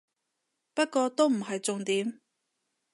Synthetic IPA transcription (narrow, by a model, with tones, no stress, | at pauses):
pɐ˥t̚kɔː˧t̪o˥wm̩˨˩ɦɐ˨jt͡sʊ˨ŋt̪iː˨˥m